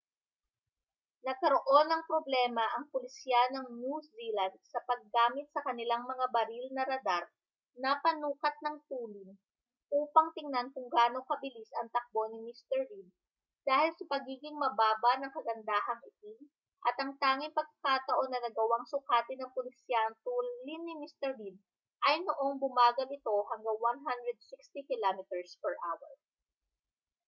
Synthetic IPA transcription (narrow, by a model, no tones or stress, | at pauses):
nɐɡ̚kɐɾoʔo̞nɐŋpɾoblɛːmɐʔɐŋpolɪsjanoŋnuszilɐnd̪̚sɐpɐɡːaːmɪt̪̚sɐkɐnɪlaŋmɐŋabɐɾilnɐɾɐd̪aɾ | nɐpɐnuːkɐt̪̚nɐŋt̪uːnɪŋ | ʔuːpɐŋt̪ɪŋnankʊŋɡaːnokɐbɪlisɐŋt̪ɐk̚bo̞nɪmist̪ɛɹlid̪ | d̪̥aːhɪlsɐpɐɡiːɡɪŋmɐbaːbɐnɐŋkɐɡɐnd̪aːɦɐŋʔɪt̪i | ʔɐt̪ʔɐŋt̪aːŋɪnpɐɡ̚kakaːt̪ɐʔo̞nːɐnɐɡɐwaŋsʊkaːt̪ɪnɐŋpʊlɪsjant̪ulinːɪmist̪ɛɹlid̪̚ | ʔɐjnoʔo̞ŋbʊmaːɡɐlɪt̪o̞hɐŋɡɐŋwanɦand̪ɾɛd̪̚sɪkst̪ikɪlamɪt̪ɛɹspɛɹʔa̰wɐ̰ɹ